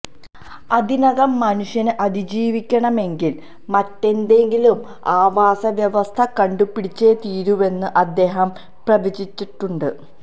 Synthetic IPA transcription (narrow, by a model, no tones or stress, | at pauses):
ɐd̪inɐɣɐmːɐnuʂjɐnɨʔɐd̪id͡ʑiːʋikʲːɐɳɐme̞ŋɡil | mɐtːe̞nd̪e̞ŋɡilum | aːʋaːsɐʋjɐʋɐst̪ʰɐkɐɳɖupːiɽit͡ɕːeːt̪iːɾuʋe̞nːɨʔɐd̪ːe̞ːɦɐm | prɐʋit͡ɕit͡ɕːiʈːuɳɖɨ